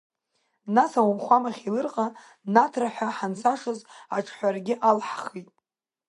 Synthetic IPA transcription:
nasawamχʷamaχʲilɨrqʼa | natʰraħʷᶣaħansʰaʂɨzaʈ͡ʂʰħʷarɡʲɪʔalħχitʼ

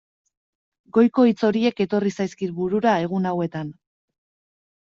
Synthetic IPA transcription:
ɡo̞jko̞it͡so̞ɾie̞ke̞t̪o̞risajskit̪βuɾuɾae̞ɣ̞unawe̞t̪an

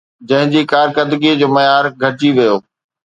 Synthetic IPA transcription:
d͡ʑɐ̃ɦɪ̃d͡ʑiːkaːɾkəd̪ɡid͡ʑoːmɐjaːɾɡʱɐd͡ʑiʋijoː

